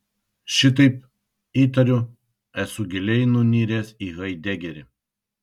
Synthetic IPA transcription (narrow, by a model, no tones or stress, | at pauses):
ʃʲɪt̪̬ɐɪp | iːt̪ɐɾʲʊ | ɛsʊɡʲɪlʲɛɪnʊnʲiːɾʲeːsiɣɐɪd̪ʲɛɡʲɛɾʲɪ